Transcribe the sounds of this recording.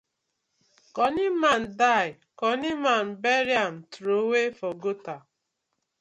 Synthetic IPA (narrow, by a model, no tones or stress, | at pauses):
kɔniman̩daɪ | kɔniman̩beɾjam̩tɾowefɔɡota